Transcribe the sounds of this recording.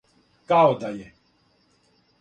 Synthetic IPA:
kawd̪ajɛ

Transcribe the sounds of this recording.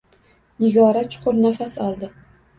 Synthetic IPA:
nɪɡɒɾat̪̚t͡ʃʰʊ̥qʰʊɾnafasɒlˠd̪ɪ

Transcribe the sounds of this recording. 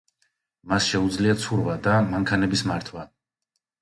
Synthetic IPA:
masʃɛud̪zliat̪sʰuɾvad̪amaŋkʰanɛbismaɾt̪ʰwa

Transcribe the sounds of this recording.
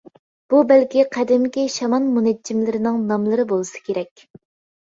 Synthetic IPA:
b̥ubælkʲiqʰæd̪ɪmkʲiʃɑmɑnmunɛd͡ʒːimlɪɾɪnɪŋnɑmlˠɨɾɨbolˠɨsɨ̥kʲʰeɾɛkʲ

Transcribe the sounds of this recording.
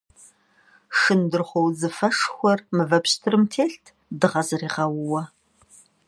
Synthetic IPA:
ʂɨndɨrχʷɔwzɨfɐʂxʷɔrmɨvɐpɕtʰɨrɨmtʰeːɬtʰ | dɨʁɐzɨriːʁɐwʊwɐ

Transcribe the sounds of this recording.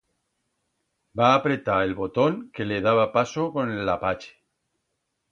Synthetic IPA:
baːpɾe̞t̪aelβo̞t̪o̞ŋke̞leð̞aβ̞apasoko̞nelːapat͡ʃe̥

